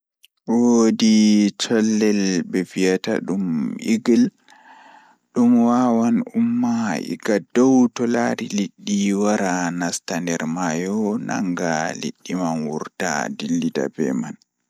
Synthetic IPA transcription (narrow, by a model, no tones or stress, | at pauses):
wodit͡ʃɔlːɛlbɛvijata̰ɗumiɡil | ɗumwawanumːaḭɡadɔwtɔlaɾiliɗːiwaɾanastandɛɾmajɔna̰ŋɡalḭɗːimanwuɾta̰dilːida̰bɛ̰man